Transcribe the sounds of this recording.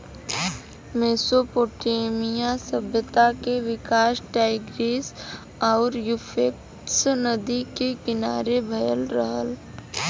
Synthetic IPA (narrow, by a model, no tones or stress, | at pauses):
meːsopoːʈeːmijasəbʱjət̪akeʋɪkaːʃʈaːɪɡɾeːs | ɔːɾjufʰek̚ | snəd̪ikekɪnaːɾebʱɐjəlɾəɦəl